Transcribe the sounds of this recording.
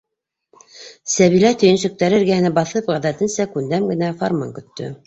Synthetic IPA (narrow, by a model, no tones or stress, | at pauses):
sæβilæt̪ɵ̆jɘ̆nʃɵ̆k̚t̪æɾɘɾɡæhɘ̆næbɑθɤpʁæðæt̪ɘnsækʉnd̪æmɡɘ̆næforma̰ŋkɵ̆t̪ːɵ̰